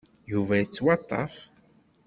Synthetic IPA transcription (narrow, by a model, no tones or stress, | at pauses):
juvæjət͡sːwɑt̪ˤːɑ̰f